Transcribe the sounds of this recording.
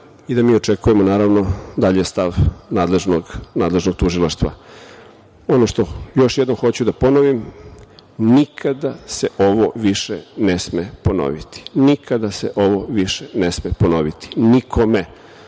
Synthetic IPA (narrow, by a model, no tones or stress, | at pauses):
id̪amiːo̞t͡ʂekujemonaːɾaʋno̞d̪aʎest̪aʋnaːd̪leʒnoɡnaːd̪le̞ʒno̞ɡ̥̚t̪uʒilˠaʃt̪ʋa̰ | o̞noʃt̪o̞jo̞ʃjed̪nomxo̞t͡ɕud̪aponoʋim | nikʰad̪ase̞ʔo̞ʋoʋiʃenesmepo̞no̰ʋit̪i̥nikʰad̪aseʔo̞ʋoʋiʃenesmepono̞ʋit̪i̥nikʰome̞